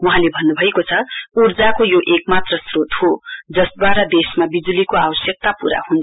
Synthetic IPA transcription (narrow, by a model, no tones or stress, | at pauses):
wuɦãlebʱʌnːubʱʌekot͡sʰʌurd͡zakojoʔek̚mat̪rʌsrot̪hod͡zʌsd̪waɾʌd̪esmabid͡zulikoawʌsjʌk̚t̪apuɾa̰hunt͡sʰ